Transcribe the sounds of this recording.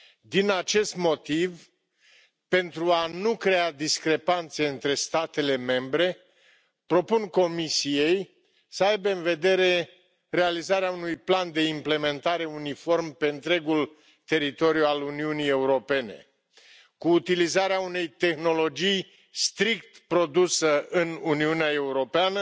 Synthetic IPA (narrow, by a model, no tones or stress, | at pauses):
d̪inat͡ʃe̞st̪mo̞t̪iv | pe̞nt̪ɾuanukɾe̞ad̪iskɾe̞pant̪se̞ɨnt̪ɾe̞st̪at̪e̞le̞me̞mbɾe̞ | pɾo̞punko̞misije̞j | səajbeɨnve̞d̪e̞ɾe̞ | re̞alizaɾeaunujpland̪e̞imple̞me̞nt̪aɾe̞unifo̞rmpe̞ɨnt̪ɾe̞ɡul | t̪e̞ɾit̪o̞ɾjualuniunije̞uɾo̞pe̞nḛ | kuːt̪ilizaɾeaune̞jt̪e̞xno̞lo̞d͡ʒij | st̪ɾikt̪pɾo̞d̪usəɨnuniuneae̞uɾo̞peanə